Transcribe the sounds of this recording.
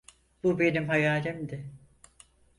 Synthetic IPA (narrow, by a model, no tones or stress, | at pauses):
b̥ube̞nimhajaːlʲimd̪ɪ